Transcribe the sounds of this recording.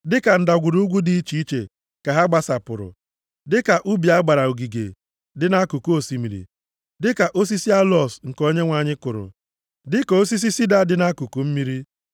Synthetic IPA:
dɪ˦ka˨n̩˦da˨ɡʷu˨ɾu˦ɡʷu˦di˨i˦t͡ʃi˨i˦t͡ʃḛ˨ | ka˨ɦa˦ɡ͡ba˨sa˨pʊ˨ɾʊ̰˨ | dɪ˦ka˨ʔu˦bi˨a˦ɡ͡ba˨ɾa˨u˨ɡi˨ɡḛ˨ | dɪ˦na˦ku˨ko˦si˨mi˨ɾḭ˨ | dɪ˦ka˨ʔo˦s̬i˦si˦a˦lɔ˦˨sŋ̩˨ko˦ɲe˦ŋʷa˨ɲɪ˦kʊ˨ɾʊ̰˨ | dɪ˦kɔ˨o˦si˦s̬i˦si˦da˦dɪ˨na˦ku˨ku˨m̩˦mi˦ɾi˦

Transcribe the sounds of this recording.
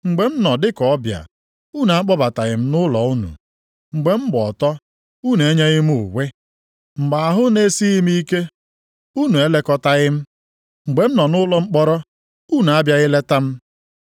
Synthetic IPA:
ŋ͡m̩˨ɡ͡be˨m̩˦nɔ˨dɪ˦kɔ˨ɔ˦bja̰˨ | u˦˨n˨a˦k͡pɔ˦ba˨ta˨ɣɪ˨m̩˦nʊ˦lɔ˨u˦nṵ˨ | ŋ͡m̩˨ɡ͡be˨m̩˦ɡ͡bɔ˨tɔ˦ | u˦n˨e˦ɲe˦ɣɪ˦m˦ṵ˨wʷe˦ | ŋ͡m̩˨ɡ͡ba˨a˨ɦʊ˦ne˦si˦ɣi˦mi˦i˦ke˦ | u˦nu˨e˦le˦kɔ˦ta˦ɣɪ˦m̩˦ | ŋ͡m̩˨ɡ͡be˨m̩˦nɔ˨nʊ˦lɔ˦ŋ͡m̩˦k͡pɔ˦ɾɔ˦ | u˦˨n˨a˦bja˦ɣɪ˦le˦ta˦m̩˦

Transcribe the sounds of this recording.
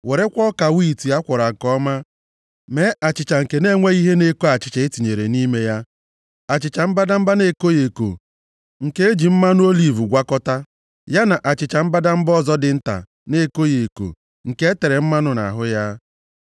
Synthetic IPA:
we˨ɾe˦kʷɔ˦ka˨wi˦˨ti˨a˦kʷɔ˨ɾa˨ŋ̩˨kɔ˦ma˦ | me˦ʔa˨t͡ʃɪ˨t͡ʃa˨ŋ̩˨ke˨ne˦ŋʷe˦i˦ɦe˦ne˦ko˦a˨t͡ʃɪ̥˨t͡ʃa˨ɪ˦ti˨ɲe˨ɾe˨ni˦me˦ja˦ | a˨t͡ʃɪ˨t͡ʃa˨m̩˦ba˦da˦m̩˦ba˦ne˦ko˦je˨ko̰˨ | ŋ̩˨ke˦e˦d͡ʒi˨m̩˦ma˦nʊ˦o˦li˨vu˨ɡʷa˦kɔ˦ta˦ | ja˦na˨ʔa˨t͡ʃɪ˨t͡ʃa˨m̩˦ba˦da˦m̩˦bɔ˦zɔ˦dɪ˨˦n̩˦ta̰˨ | ne˦ko˦je˨ko̰˨ | ŋ̩˨ke˦e˦te˨ɾe˨m̩˦ma˦nʊ˦na̰˨ɦʊ˦ja˦

